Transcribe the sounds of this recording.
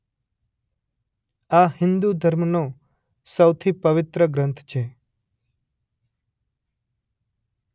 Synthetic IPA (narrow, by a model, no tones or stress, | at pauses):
ahɪ̃nd̪ud̪ʱəɾmno | səwt̪ʰipəʋɪt̪ɾəɡɾə̃nt̪ʰt͡ʃʰe